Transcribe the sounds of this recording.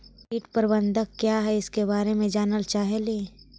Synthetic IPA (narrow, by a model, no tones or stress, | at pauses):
iːʈpəɾbə̃nd̪ʱəkkːjaːɦɛɪskebaːɾemẽd͡ʒaːnəlt͡ʃaːɦeliː